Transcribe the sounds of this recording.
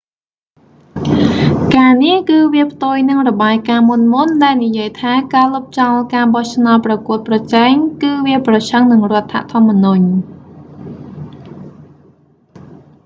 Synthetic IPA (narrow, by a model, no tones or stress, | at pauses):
kaːnihkɨːʋiəpʰt̪uəjnɨŋrɔɓaːjkaːmunmunɗaɛlnijiəjt̪ʰaːkaːlup̚t͡ɕɑlkaːɓɑht͡ɕʰnaɔt̪̚prɑkuət̪̚prɑt͡ɕɛːɛŋkɨːʋiəprɑt͡ɕʰəŋnɨŋrŏət̪ʰːa̰ʔt̪ʰŏəmːənuɲ